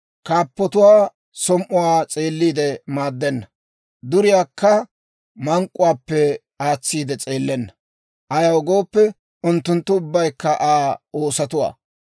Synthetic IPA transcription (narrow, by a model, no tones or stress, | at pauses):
kaːpːɔt̪ʊwaː | sɔmʔʊwaːt͡sʼeːlːiːd̪ɛmaːd̪ːɛnːɐ | d̪ʊɾɪjaːkːɐ | mɐŋkʼːʊwaːpːɛ | aːt͡sːiːd̪ɛt͡sʼeːlːɛnːɐ | ʔɐjɐwɡo̞ːpːɛ | ʊnt̪ːʊnt̪ːʊʊbːɐjkːɐʔaːoːsɐt̪ʊwa̰ː